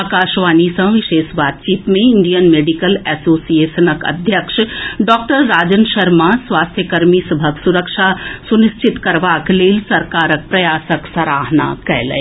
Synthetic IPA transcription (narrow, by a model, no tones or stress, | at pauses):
aːkaːʃʋaːnisɐ̃ʋɪʃeːʃʋaːt̪̚t͡ʃiːt̪mẽɪɳɖijənmeːɖikəlɛːsoːsijeːʃənəkɐ̰d̪ʱjəkʃɖɔːk̚ʈəɾːaːd͡ʒənʃɐɾmasʋaːst̪ʰjəkɐɾmisɐbʱəksuɾəkʃasunist͡ʃʰɪt̪kɐɾʋaːkleːlsɐɾkaːɾək̚pɾɐjaːsəksɐɾaːɦna̰ːkɛ̰ɦlḛ